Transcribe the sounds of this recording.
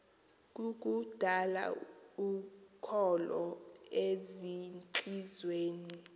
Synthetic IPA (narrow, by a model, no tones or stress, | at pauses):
k̬ʼuk̬ʼud̥ʱala̰ukʰɔlɔezint͡ɬʼizweːni